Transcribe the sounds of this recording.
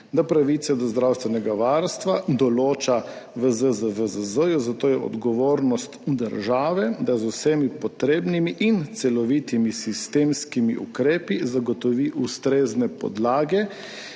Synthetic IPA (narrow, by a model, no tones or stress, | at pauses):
d̪apɾaʋit̪sɛd̪ɔzd̪ɾawst̪ʋɛnɛɡaʋaɾst̪ʋad̪ɔloːt͡ʃa | ʋəzəzəvəzəzəjuzat̪oːjɛʔɔ̰d̪ɡɔʋoːɾnɔst̪d̪əɾʒaːʋɛd̪azusemipɔt̪ɾeːbnimiʔint̪sɛlɔʋit̪imisist̪emskimiʔṵkɾeːpizaɡɔt̪ɔʋiʔust̪ɾeznɛpɔ̰d̪laːɡɛ